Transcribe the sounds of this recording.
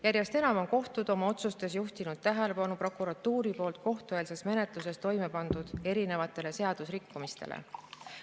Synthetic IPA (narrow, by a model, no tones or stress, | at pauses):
jæɾjest̪e̞nɑmo̞nko̞ht̪ud̪̥o̞mɑo̞t̪sust̪e̞s̬juht̪inud̪̥̚t̪æɦe̞le̞pɑnupro̞kuɾɑt̪ːˑuːɾipo̞ːlt̪̚ko̞ht̪ue̞ːlse̞sme̞ne̞t̪ˑluse̞st̪o̞jme̞pɑnd̪̥ud̪̥e̞ɾine̞vɑt̪ːˑe̞lese̞ɑd̪̥usrikːumist̪e̞̰lʔḛ